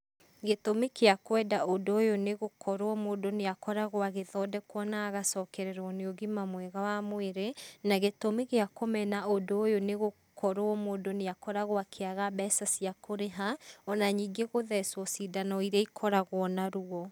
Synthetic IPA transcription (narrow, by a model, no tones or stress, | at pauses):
ɣetomekeakwɛːdaondoːjoneɣokʰɔɾwɔmoːdoneakɔɾaɣoaɣeðɔdɛkwɔnaːɣasɔkɛɾɛɾɔɔneoɣimamwɛɣawamweɾenaɣetomeɣeakomɛnaondoːjoneɣo | kʰɔɾoɔmoːdoneakɔɾaɣoakʰeaɣabɛːsasiakʰoɾeɦaɔnaɲiːɡeɣoðɛswɔsidanɔiɾeikʰɔɾaɣwɔnaɾuɔ